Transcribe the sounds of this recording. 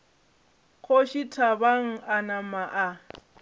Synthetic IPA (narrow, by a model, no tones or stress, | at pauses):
kʰoʃitʰabaŋ̩anamaʔa